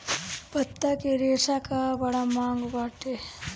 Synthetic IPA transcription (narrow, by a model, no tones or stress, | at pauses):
pɐt̪ːakeɾeːʂakabɐɽamaːŋɡbaːʈe